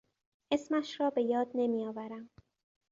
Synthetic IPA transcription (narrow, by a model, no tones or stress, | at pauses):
ʔe̞smæʃɾɒːbe̞jɒːd̪̚ne̞mijɒːvæɾæm